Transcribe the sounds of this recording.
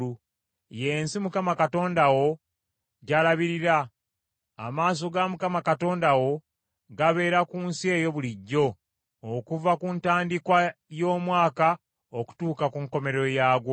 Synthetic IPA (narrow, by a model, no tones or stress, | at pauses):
u | je̞ːnsimukamakato̞ːndawo̞ | ɟalaβiɾiɾa̰ː | maːs̬o̞ɡamukamakato̞ːndawo̞ | ɡaβe̞ːɾakuːnsie̞ːjo̞βuliɟːo̞ː | kuvakuntaːndikwajo̞ːmwaːka | oku̥tuːkakuŋko̞me̞ɾo̞jaːɡwo